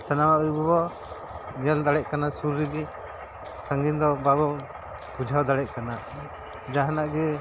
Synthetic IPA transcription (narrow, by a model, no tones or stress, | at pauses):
sanamaʔuibɔbɔ | ɲɛld̪aɽɛc̚kanasuɾːiɡɛ | saŋɡind̪ɔbabɔ | bud͡ʒʱawd̪aɽɛc̪̚kana | d͡ʒaɦanaʔɡɛ